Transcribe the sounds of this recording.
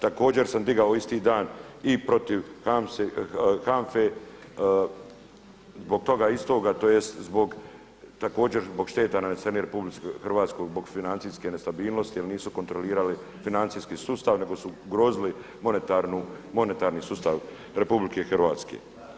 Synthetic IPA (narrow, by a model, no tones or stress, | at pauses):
t̪ako̞ːd͡ʑe̞ɾsamd̪iɡaoist̪iːd̪aːnipɾo̞t̪iʋaexaɱfe | zbo̞ɡ̚t̪o̞ɡaist̪o̞ːɡat̪oːjest̪zbo̞ɡ | t̪ako̞ːd͡ʑe̞ɾzbo̞ɡʃt̪e̞ːt̪ananeseɾniɾepublixrʋaːt̪skoɡzbo̞ɡfinant̪siske̞ne̞st̪abiːlˠnost̪ijalniːsuko̞nt̪ɾo̞liːɾali | finant̪siːskisust̪aʋne̞ɡo̞suɡɾo̞ːzili | monet̪aɾnu | mo̞net̪aːɾnisust̪aʋ | ɾe̞publike̞xrɾʋaːt̪skḛ